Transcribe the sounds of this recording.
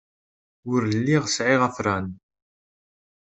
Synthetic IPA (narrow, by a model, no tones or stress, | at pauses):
ʊɾlːiʁsʕɪʁæfɾˤan